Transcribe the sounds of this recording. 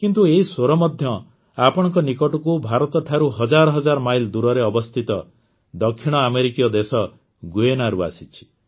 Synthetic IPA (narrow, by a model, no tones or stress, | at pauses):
kint̪ueɦisoɾɔmɔd̪ʱjɔ | apɔɽ̃ɔ̃ŋkɔnikɔʈɔkubʱaɾɔt̪ɔʈʰaɾuɦɔd͡ʒaɾɔɦɔd͡ʒaɾɔmajld̪uɾɔɾeɔbɔst̪ʰit̪ɔ | d̪ɔkʰːiɽ̃ɔameɾikijɔd̪esɔ | ɡuenaɾua̰sit͡ʃʰi̥